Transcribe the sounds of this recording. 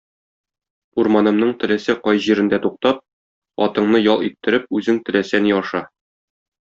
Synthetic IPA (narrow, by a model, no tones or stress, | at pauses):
uɾmɑnɤ̆mnɤɴt̪ɘ̆læsɘqɒjʑiɾɘ̆nd̪æt̪uq̚t̪ɑp̚ | ɒ̰t̪ɤ̆ɴnɤjɒlˠit̪ːɘ̆ɾɘp̚ʉzɘŋt̪ɘ̆læsæniɒʃɑ